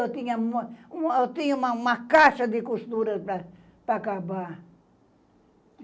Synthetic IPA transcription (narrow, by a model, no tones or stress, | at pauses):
ot̪iɲamot̪iomãmakasad̪ikust̪uɾəpa | pakaba